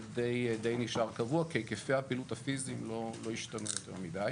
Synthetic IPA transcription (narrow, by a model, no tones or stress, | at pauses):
d̪e̞jd̪e̞jniʃaʁkavuakekefeapilutafizimlo̞lo̞jiʃt̪anujot̪eʁmid̪aj